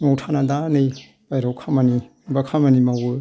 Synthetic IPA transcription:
ŋawtʰanadanɯj | b̥ajɾawkʰamani | bakʰamanimawɯ

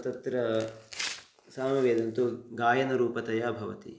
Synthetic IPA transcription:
ɐt̪ɐt̪ɾɐ | saːmɐʋeːd̪ɐnt̪uɡaːjɐnɐɾuːpɐt̪ɐjaːbʱɐʋɐt̪ḭ

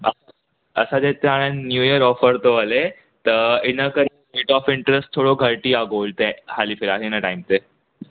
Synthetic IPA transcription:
ə̰s | əsad͡zet̪eaɽ̃ennjujəɾɔfəɾt̪oəle | t̪əɾinəkəɾəmiʈɔfiɳʈɾesʈt̪ʰːoɽoɡʱəɾʈiːaɡolt̪ehalifeɾaɦinəʈajmt̪e

